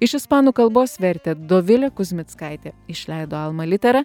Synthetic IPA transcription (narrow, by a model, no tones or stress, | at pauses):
ɪʃɪspɑːnuːkɐlˠboːsʋʲɛɾʲt̪ʲeːd̪oʋʲɪlʲɛkʊzʲmʲɪt̪skɑɪt̪ʲeːɪʃʲlʲɛɪd̪oːɐlˠmɐlʲɪt̪ʲɛɾɐ